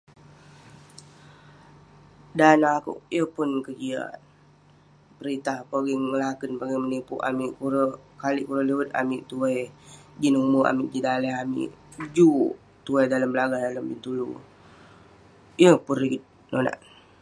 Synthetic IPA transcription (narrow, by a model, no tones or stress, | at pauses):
danakṵʔjəpʊnkəɡia̰t | pəɾit̪ahpoɡiŋŋəlakənpaɡiŋmənipuʔa̰miʔkuɾəkaliʔkuɾələwət̪a̰miʔt̪uajd͡ʒinuməa̰miʔd͡ʒidalɛɦamḭʔ | d͡ʒu | t̪uajdaləmbəlaɡahdaləmbint̪ulṵ | jəpuniɡit̪̚ | nona̰ʔ